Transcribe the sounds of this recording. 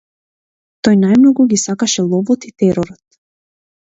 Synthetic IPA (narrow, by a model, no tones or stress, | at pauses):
t̪ɔjnajmnɔɡuɡʲisakaʃɛlˠɔvɔt̪it̪ɛɾɔɾɔt̪